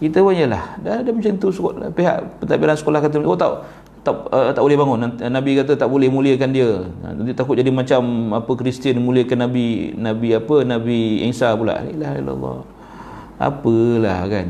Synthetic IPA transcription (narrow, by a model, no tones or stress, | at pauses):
kit̪əwanjəlahdadamit͡ʃant̪usəkpeɦa̰ʔpət̪aʔbiɾansə̥kolahkat̪̬əmwoʔt̪aʔ | t̪aət̪aʔbolɛhbaŋʊnanabikat̪̬ət̪aʔbolɛhmuliəkandiəa̰ant̪ut̪akʊt̪̚d͡ʒadimat͡ʃamapəkɾist̪iənmũliəkanːabinabiapənabiɛ̰ŋsapula̰ʔelahḭla̰lːɔ̰ | a̰pəla̰hkan